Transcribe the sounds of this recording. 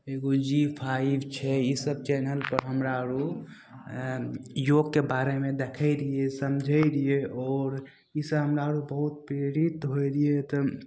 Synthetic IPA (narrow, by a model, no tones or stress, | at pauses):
eɡod͡ʒipʰaɪbt͡ʃʰɛisəb̚t͡ʃɛnəlpəɾɦəmɾaɾu | joɡkebaɾemed̪ekʰəɪɾijesəmd͡ʒʱəɪɾijeʔɔɾ | isəbɦəmɾaəɾubəɦut̪̚pɾeɾit̪ɦoɾiet̪ɔ